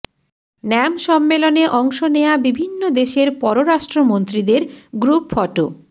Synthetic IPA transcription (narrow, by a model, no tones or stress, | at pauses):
nɛmʃɔmːeloneʔɔŋʃonejabibʱinːod̪eʃeɾpɔɾoɾaʃʈɾomont̪ɾid̪eɾɡɾupfɔʈo̰